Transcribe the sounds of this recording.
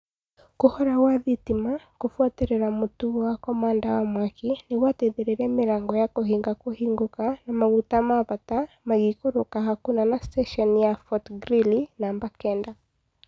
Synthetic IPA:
kohɔɾawaðitimakofwateɾɛɾamotuwakɔmaːndawamwakinewatɛðeɾeɾɛmɪɾaːŋɡɔjakoɦiːŋɡakohiːŋɡokanamaɣutamaβata | maɣikoɾokahakunanastɛʃɔnijafɔtɡɾilinambakɛnda

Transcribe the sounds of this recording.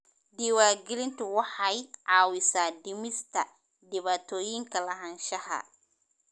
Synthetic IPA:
d̪ɪwaːɡɪlɪnt̪ʰʊwɑħɑjʕɑːwɪsaːd̪ɪmɪst̪ʰɐ | d̪ɪβaːt̪ʰɔːjɪŋkʰɐlɐɦɐnʃɐɦɐ̰

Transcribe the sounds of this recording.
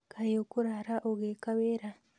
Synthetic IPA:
kajokuɾaɾaʔoɣekaβeɾa

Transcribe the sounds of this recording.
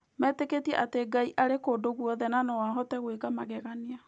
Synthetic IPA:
mɛːteketiɛ̰ʔateɡaiʔaɾekoːdoɣuɔðɛnanɔwaɦɔtɛɣweɣamaɣɛɣania

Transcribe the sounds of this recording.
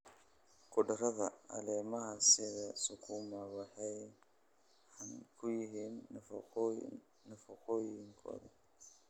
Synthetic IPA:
kʰʊɖɐrɐðɐɐ̰lɛːmɐɦɐsɪðɐsʊkʰuːmɐβɑħɛj | ħɑnkʰʊjɪɦiːn | nɐfɐqɔːjɪŋkʰɔ̰ːðɐ

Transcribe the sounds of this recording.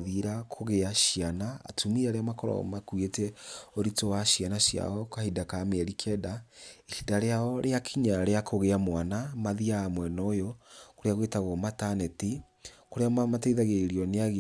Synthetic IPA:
ðiɾakʰoɣeaʃianaa̰tʰumiɾaɾeamakɔɾɔ̰makwetɛoɾitowaɕianaɕja̰ɔkahidakameɛɾikʰɛdaehidaɾeaɔɾeakʰiɲaɾeakʰoɣeamwanamaðiaːmwɛnɔjokoɾeaɣwetaɣɔmatanɛti | koɾeamamateiðaɣeiɾiɔneaɣ

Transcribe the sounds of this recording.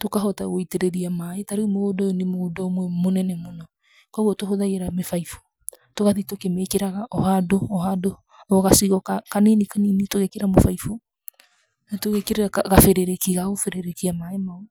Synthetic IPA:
tokaɦɔtaɣoiteɾɛɾiamaetaɾeumoodɔjɔnemoːdɔmwɛmonɛnɛmonɔ | kɔɣwɔtoɦoðaiɛɾamefaifo̥ | toɣaðitokemekeɾaɣaʔɔhadoɔhado | ɔɣasiɣɔkakanenikaninitoɣekeɾamofaifo | natoɣekeɾeɾakaɣafeɾeɾekiɣaofeɾeɾekiamaemao

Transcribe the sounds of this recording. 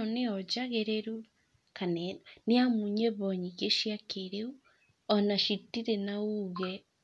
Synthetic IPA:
neɔd͡ʒaɣeɾeɾu | kaneniamuɲeβɔɲiɣeʃiakeɾeu | ɔnaʃitiɾenauɣɛ

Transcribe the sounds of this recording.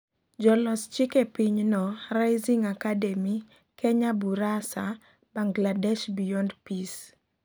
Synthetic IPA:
d͡ʒɔlɔst͡ʃɪkepiɲnɔɾajziŋakadɛmi | kɛɲabuɾasa | baŋɡladɛʃbijɔndpis

